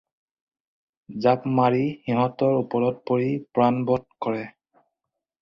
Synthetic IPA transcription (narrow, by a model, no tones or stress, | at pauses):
zapmaɹixiɦɔtɔɹupɔɹɔt̚poɹipɹanbɔt̚kɔɹɛ